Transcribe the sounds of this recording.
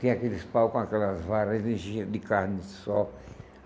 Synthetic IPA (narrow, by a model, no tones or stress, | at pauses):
t̪ĩakelɪspawkõakɛlɐzvaɾezĩʒid̪ikaɾnɪsɔ